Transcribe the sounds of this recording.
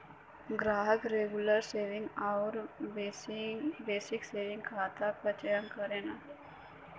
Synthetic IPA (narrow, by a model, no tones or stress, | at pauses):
ɡɾaːɦəkɾeɡuləɾseʋiŋɡawɾesbeːsikseːʋiŋkʰaːt̪apɾət͡ʃəjaŋkəɾena